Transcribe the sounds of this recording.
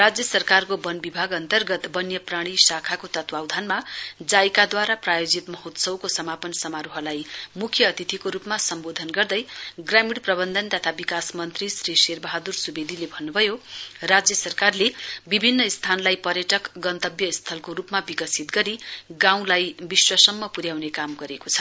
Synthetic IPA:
rad͡zjʌsʌrkarkobʌnbibʱaɡʌnt̪ʌrɡʌt̪bʌnjʌpraɽ̃isakʰakot̪ʌt̪wawd̪ʱanmad͡zajkad̪waɾaprajod͡zit̪mʌɦot̪sʌwkosʌmapʌnsʌmaɾuɦʌlajmukʰjʌːt̪it̪ʰikoɾupmasʌmbod̪ʱʌnɡʌrd̪ʌjɡramiɽprʌbʌnd̪ʱʌnt̪ʌt̪ʰabikasmʌnt̪risriserbʌɦad̪ursubed̪ʱilebʱʌnːubʱʌjorad͡zjʌsʌrkarlebibʱinːʌist̪ʰanlajpʌɾjʌʈʌkɡʌnt̪ʌbjʌist̪ʰʌlkoɾupmabikʌsit̪ɡʌɾiɡãw̃lajbiswʌsʌmːʌpuɾjawnekamɡʌɾekot͡sʰʌ̥

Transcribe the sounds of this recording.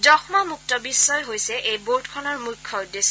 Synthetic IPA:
dɔxmamuk̚tɔbisːɔjɦojsɛʔejboɹdkʰɔnɔɹmujkkʰːɔdes

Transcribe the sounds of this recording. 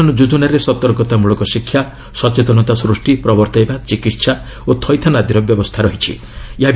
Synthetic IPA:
ɔnɔd͡ʒud̪unaɾesɔt̪ɔɾɡɔt̪amuɭɔkɔsikʰːja | sɔt͡ʃet̪ɔnɔt̪asɾusʈipɾɔbɔɾt̪ɔjbat͡ʃikit̪sa | ot̪ʰɔjt̪ʰanad̪iɾɔbjɔbɔst̪ʰaɾɔɦit͡ʃʰḭ | eɦab

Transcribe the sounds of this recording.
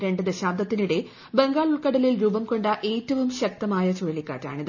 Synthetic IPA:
ɾe̞ɳɖɨd̪eɕaːd̪ːɐt̪ːinuɽe̞ | be̞ŋɡaːɭuɭkɐɽɐlilɾuːbɐmko̞ɳɖɐʔe̞ːtːɐʋumɕɐk̚t̪ɐmaːjɐt͡ɕoɻɐɭikːa̰ːrtːa̰ːɳið

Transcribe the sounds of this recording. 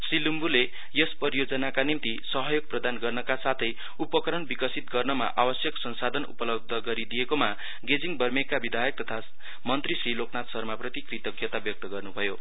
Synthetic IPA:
srilumbule | jʌspʌɾjod͡zʌnakanimt̪isʌɦʌjoɡ̚prʌd̪anɡʌrnʌkasat̪ʰʌj | upʌkʌɾʌnbikʌsit̪ɡʌrnʌma̰ʔabʌsjʌksʌnsad̪ʱʌnṵpʌlʌb̚d̪ʱʌɡʌɾid̪ijekoma | ɡed͡ziŋbʌrmekːabid̪ʱajʌk̚t̪ʌt̪ʰa | mʌnt̪risriloknat̪sʌrmaprʌt̪ikrit̪ʌkjʌt̪abjʌk̚t̪ʌɡʌrnubʱʌjo

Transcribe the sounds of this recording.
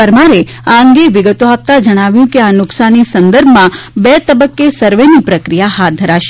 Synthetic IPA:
əɾmaɾe | aəŋɡeʋɪɡət̪oap̚t̪ad͡ʒəɽ̃aʋjũkeanʊksanisənd̪əɾbʱmãbet̪əbəkːesəɾʋenipɾəkɾijaɦat̪̚d̪ʱəɾaʃe̥

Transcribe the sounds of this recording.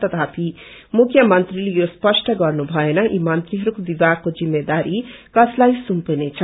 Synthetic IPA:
t̪ʌt̪ʰapʰi | mukʰjʌmʌnt̪rilejospʌsʈʰʌɡʌrnubʱʌenʌʔimʌnt̪riɦʌɾukobibaɡ̚kːod͡zimːed̪aɾikʌslajsumpenet͡sʰʌ

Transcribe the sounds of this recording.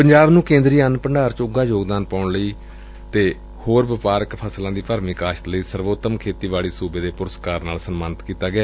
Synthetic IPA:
pəɲd͡ʒaːbnũːkẽːnd̪ɾiːanpəɳɖaːɾt͡ʃʊɡaːjoːɡd̪aːnpaːʊɳləiː | t̪eː | hoːɾʋɪpaːɾəkpʰəslãːd̪iːpəːɾmiːkaːʃt̪ləiːsəɾʋoːt̪ːəmkʰeːt̪iːʋaːɭiːsuːbeːd̪eːpʊɾəskaːɾnaːlsəmmaːnɪt̪kiːt̪aːɡɪaː

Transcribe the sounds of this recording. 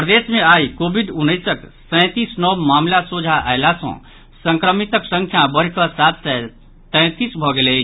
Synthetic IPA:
pɾəd̪esmeaikobʱiɖunːəsəksə̃t̪isnɔbmamlasod͡ʒʱaʔajlasə̰̃ | sə̃ŋkɾəmit̪əksə̃ŋkʰjabəɽ̤kɔsat̪sɛ | t̪ɛ̃t̪isbʱɔɡelɛ

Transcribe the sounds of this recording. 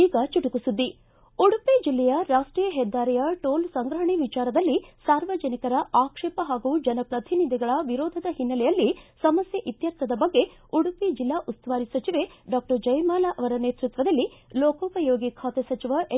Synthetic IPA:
iːɡɐt͡ʃiʈukusud̪ːi | uɽuped͡ʒilːɛjɐɾaːʂʈɾiːjɐɦɛd̪ːaːɾɛjɐʈoːlsɐŋɡɾɐɦɐɳiʋit͡ʃaːɾɐd̪ɐlːisaːɾʋɐd͡ʒɐnikɐɾɐʔaːkʂeːpɐɦaːɡud͡ʒɐnɐpɾɐt̪ʰinid̪ʱiɡɐɭɐʋiɾoːd̪ʱɐd̪ɐhinːɐlɛjɐlːisɐmɐsjɐʔit̪jɐɾt̪ʋɐd̪ɐbɐɡːe̞ | uɽuped͡ʒilːaːʔust̪ʋaːɾisɐt͡ʃiʋeɖaːk̚ʈɐɾd͡ʒɐjmaːlaʔɐʋɐɾɐneːt̪ɾut̪ʋɐd̪ɐlːiloːkɔːpɐjoːɡikʰaːt̪esɐt͡ʃiʋɐʔe

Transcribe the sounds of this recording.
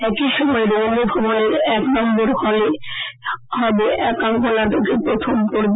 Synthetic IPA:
ɛkiʃɔmɔeɾomibʱɔboneɾɛknɔmboɾkɔle | hɔbeʔɛkaŋkolaʈokepɾot̪ʰomkoɾb

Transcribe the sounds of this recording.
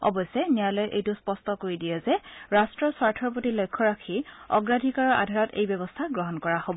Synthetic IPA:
ɔ̰bɔjsɛnijalojʔejtʊspɔstɔkoɹidijɛzɛɹastɹɔswaɹtʰɔɹp̬otilojkʰːɔɹakʰiɔ̰ɡɹadʱikaɹɔɹʔa̰dʱaɹɔtḛjbɔbɔstʰaɡɹɔɦɔnkɔɹahobɔ

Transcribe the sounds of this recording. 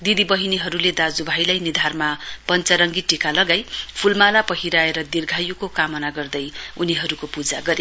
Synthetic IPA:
d̪id̪ibʌɦiniɦʌɾuled̪ad͡zubʱajlajnid̪ʱarmapʌnt͡sʌɾʌŋɡiʈikalʌɡajpʰulmalapʌɦiɾaeɾʌd̪irɡʱajukokamʌnaɡʌrd̪ʌjuniɦʌɾukopud͡zaɡʌɾe

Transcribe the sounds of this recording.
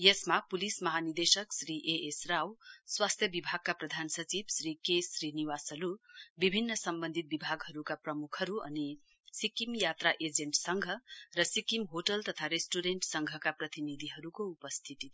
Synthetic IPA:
jʌsmapulismʌɦanird̪esʌksriʔeesrawswast̪ʰjʌbibʱaɡ̚kaprʌd̪ʱansʌt͡sibsrikesriniwasʌɾubibʱinːʌsʌmbʌnd̪ʱit̪̚bibʱaɡɦʌɾukaprʌmukʰhʌɾuʌ̰ni | sikimjat̪raʔed͡zeɳʈsʌŋɡʱʌrʌsikimɦoʈʌlt̪ʌt̪ʰaɾesʈuɾeɳʈsʌŋɡʱʌkaprʌt̪inid̪ʱiɦʌɾukoupʌst̪ʰit̪i

